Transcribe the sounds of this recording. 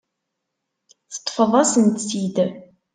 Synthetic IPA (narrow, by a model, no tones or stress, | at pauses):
θə̥t̪ˤːfəðˤɑsənt̪sid̪